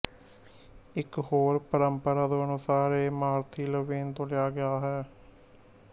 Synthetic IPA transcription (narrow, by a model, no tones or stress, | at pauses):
ɪkɦoːɾpəɾəmpəɾaːd̪õːənʊsaːɾeːmaːɾt̪ʰiːləʋiːnt̪õːlɪjaːɡɪjaːɦɛː